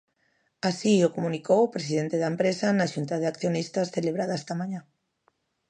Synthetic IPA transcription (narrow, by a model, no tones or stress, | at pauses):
asiokomũnikowpɾesiðent̪eðaempɾesanaʃunt̪aðeakθjonist̪asθeleβɾað̞aest̪amãɲã